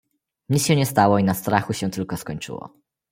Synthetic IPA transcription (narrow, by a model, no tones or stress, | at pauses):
ɲit̪sɕɛɲɛst̪awɔinast̪ɾaxuɕɛt̪ɘlkɔskɔɲt͡ʂɘ̰wɔ̰